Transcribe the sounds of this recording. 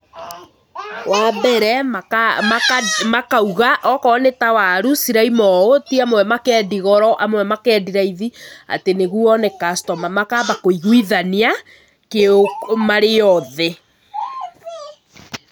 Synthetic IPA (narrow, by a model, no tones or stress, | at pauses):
waːbɛɾɛamamakauɣaʔɔkɔːnetawaɾusiɾaimɔotiamwɛmakɛːdiɣɔɾɔʔamwɛmakɛːdiɾaiðia̰teneɣuɔnɛkastɔmamakaːbakoiɣwiðania | keomaɾejɔðɛ